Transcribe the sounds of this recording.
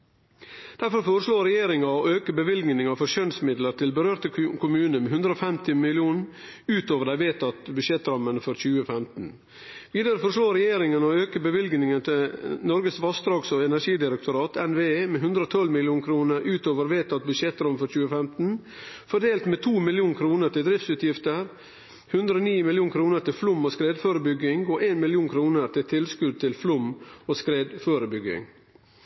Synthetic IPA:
d̪̥æɾfɔɾfoːɾəʂlɭoːɾɛjeːɾɪŋɑɔøːkəbəʋɪlɡnɪŋɑfɔɾɕœnsmɪd̪ləɾt̪ʰɪlbəɾøːɾt̪əkʰʊmʉːnəmɛɦʉnd̪ɾəoːfɛmt̪ɪmɪlɪuːn | ʉːt̪oːʋəɖæɪʋeːt̪ʰɑt̪bʉʂɛt̪ɾɑmːənfɔɾçʉːəfɛmt̪n̩ | ʋiːd̪əɾəfɔɾʂɭoːɾɛjeːɾɪŋənɔøːkəbəʋɪlɡnɪŋənt̪ʰɪnɔɾɡəsʋɑst̪ɾɑːɡsɔɛnæʂiːd̪ɪɾəkt̪ʊɾɑːt̪ʰɛnʋeːeːmɛɦʉnd̪ɾəoːt̪ʰɔlmɪlɪjuːnkʰɾuːnəɾʉːt̪oːʋəɾʋeːt̪ʰɑt̪̚bʉd̪ʃɛt̪ːɾɔmfɔɾçʉːəfɛmt̪n̩fɔɖ̪eːlt̪met̪ʰuːmɪljuːnkʰɾuːnəɾʈ̪ɪld̪ɾɪft̪sʉːt̪jɪft̪əɾ | hʉnd̪ɾəoniːmɪljuːŋkʰɾuːnəɾʈ̪ɪflʊmːoːskɾeːd̪føːɾəbʏɡɪŋɡoʔeːnmɪlɪuːnkʰɾuːnəɾt̪ʰɪlt̪ʰɪlskʉd̪̚t̪ʰɪlflʊmoːskɾeːd̪føːɾəbʏɡɪ̰ŋ

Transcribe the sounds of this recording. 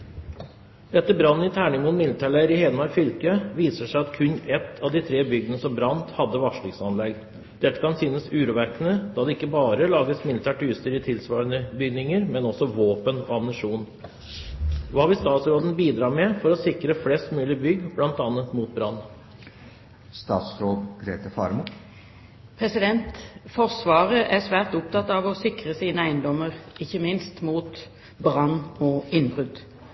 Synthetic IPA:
d̪̥ɛt̪ːəbɾɑnːɪt̪ʰæːɳɪmʊnmɪlɪt̪ʰæɭæɾɪheːləmɑɾfʏlkəʋiːsəʂæɪɑt̪kʰʉnːɛt̪ʰːɑʋd̪ɪt̪ʰɾeːbʏɡənəsɔmbɾɑnt̪hɑd̪ːəʋɑʂɭɪksɑnlɛɡ | d̪̥ɛt̪ːə̥kʰɑnsyːnəsʉːɾuːʋæɾkənəd̪ɑːd̪ɛɪkːəbɑːɾəlɑːɡəsmɪlɪt̪ʰæːʈːst̪əɾɪt̪ʰɪlsʋɑːɾənəbʏɡnɪŋəɾmɛnɔsɔʋoːpəno̰ːɑmnəʂuːn | ʋɑːʋɪlst̪ɑːt̪sɾoːd̪n̩biːd̪ɾɑːmɛfɔɾɔsɪkɾəflɛst̪mʉːlɪbʏɡːblɑnt̪ɑnət̪muːt̪̚bɾɑnː | st̪ɑ̰ːt̪sɾoːd̪ɡɾeːt̪əfɑ̰ɾmʊ | pʰʁɛsɪd̪ɛnt̪fɔʁsʋɑːʁəʔæsʋæːʁt̪ʊp̚t̪ʰɑt̪ːɑːʋɔsɪkʁəsiːnəæɪnd̪ɔməʁɪçːəmɪnst̪muːt̪ | bʁɑnːɔɪnbʁʉd̪

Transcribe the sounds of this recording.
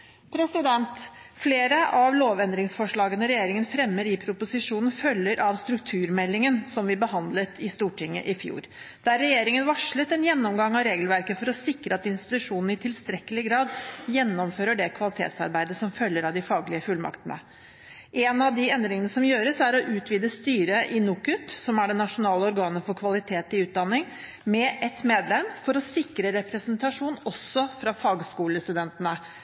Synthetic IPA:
pʰɾɛsɪd̪ɛnt̪fleːɾəʔɑʋloːʋɛnd̪ɾɪŋsfɔʂɭɑːɡənəɾɛjeːɾɪŋənfɾɛmːəɾɪpʰɾʊpʊsɪʂuːnn̩fœlːəɾʔɑʋst̪ɾʉkt̪ʰʉːɾmɛlːɪŋənsɔmʋɪbəɦɑnd̪lət̪ʰɪst̪uːʈʰɪŋːə̰ʔɪfjṵːɾ | d̪̥æɾːɛjeːɾɪŋənʋɑʂɭət̪ɛnjɛnːɔmɡɑŋːɑɾeːɡəlʋæɾkəfɔɾɔsɪkɾəɑt̪ɪnst̪ɪ̥t̪ʉʂuːnn̩ɪt̪ʰɪlst̪ɾɛkːəlɪɡɾɑːd̪jɛnːɔmføːɾəɖɛkʰʋɑlɪt̪ʰḛːt̪sɑ̰ɾbæɪd̪əsɔmfœljːəɾɑʋd̪ɪfɑːɡlɪəfʉlmɑ̰kt̪ənə̰ | ʔeːnɑʋd̪ɪɛnd̪ɾɪŋənəsɔmjøːɾəsæɾɔʔʉːt̪ʰʋiːd̪əst̪yːɾəʔɪnuːkʉt̪sɔmæɖɛnːɑʂʊnɑːləɔɾɡɑːnəfɔɾkʰʋɑlɪt̪ʰeːt̪ɪʉːt̪̚d̪ɑnːɪŋ | mɛʔɛt̪meːd̪lɛmfɔɾɔsɪkɾəɾɛpɾɛsənt̪ɑʂuːnɔsːɔfɾɑfɑːɡskuːləst̪ʉd̪ɛnt̪ənə

